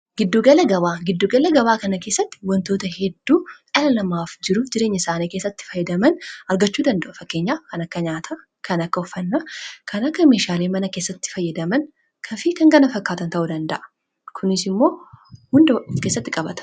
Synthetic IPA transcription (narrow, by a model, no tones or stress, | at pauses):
ɡɪd̪ːuːɡɐlɐɡɐβaːɡɪd̪ːuːɡɐlɐɡɐbaːkɐnɐke̞ːsːɐt̪ːɪ̥wɐnt̪o̞ːt̪ɐhɛd̪ːuːʔɐlɐlɐmaːfd͡ʒɪɾʊd͡ʒɪɾe̞ːɲːɐɪsaːneːkeːsːɐt̪ːɪ̥fɐjːɐd̪ɐmɐnɐɾɡɐt͡ʃːuːd̪ɐnd̪ɐʔʊfɐkːe̞ːɲːaːkɐnɐkːɐɲaːt̪ʰɐ | kɐnɐkːɐɔfːɐnːɐkʰɐnɐkːɐme̞ːʃaːleːmɐnɐkeːsːɐt̪ːɪ̥fɐjːɐd̪ɐmɐn | kʰɐfikɐŋɡɐnɐfɐkːaːt̪ɐnt̪ɐʔud̪ɐnd̪ɐʔɐ̥ | kʰʊnɪsɪmːo̞ːhʊnd̪ɐkeːsːɐt̪ːɪkʼɐbɐt̪ɐ̥